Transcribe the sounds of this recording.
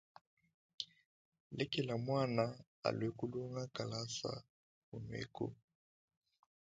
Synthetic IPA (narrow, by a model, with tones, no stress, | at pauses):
lɛ˦kɛ˨la˨mwa˦na˨ | a̰˨lwɛ˨˦ku˦lu˦ŋɡa˦ka˨la˦sa̰˦ | hu˨nwḛ˦kṵ˦